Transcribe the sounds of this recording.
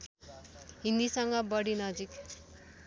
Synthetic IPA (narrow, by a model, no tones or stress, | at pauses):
ɦĩnd̪isʌŋɡʌbʌɽinʌd͡zik